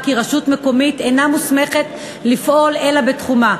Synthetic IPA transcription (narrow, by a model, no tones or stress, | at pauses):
kiʁaʃutme̞ko̞mite̞namusme̞χe̞t | lifʔo̞le̞labetχuma